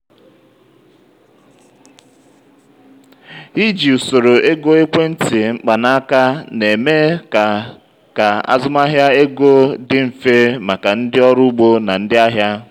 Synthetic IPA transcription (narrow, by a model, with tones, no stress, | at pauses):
ɦi˦d͡ʒi˨u˨so˨ɾo˨ʔe˦ɡo˦e˦kʷe˦n̩˦tɪ˨ŋ͡m̩˦k͡pa˨na˦ka˦ne˨me˦˨ | ka˨a̰˦zʊ˦ma˦ɦja˦e˦ɡo˦dɪ˦m̩˨fe˦ma˨ka˨n̩˦dɪ˦ɔ˦ɾʊ˦u˦ɡ͡bo˦na˨n̩˦dɪ˦a˦ɦja˦